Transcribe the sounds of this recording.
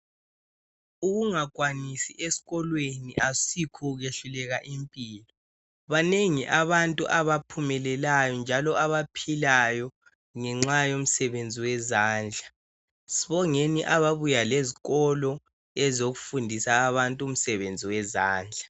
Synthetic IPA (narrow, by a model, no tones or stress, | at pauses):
uɣuŋakwanisiʔesi̥ɣɔlweniʔasikʰuɣeɬulɛɣaʔimpʼiːlɔ | βaneŋiʔaβantʼṵʔaβapʰumɛlɛlajɔnd͡ʒʱalɔaβapʰilajɔ | ŋɛŋ͡ǁajom̩sɛβend͡zʱiwɛzaːnd͡ɮʱa | siβɔŋeniʔaβaβujaleziɣɔlɔ | ɛzoɣufundʱisaːβantʼuum̩sɛβend͡zʱiwɛzaːnd͡ɮʱḁ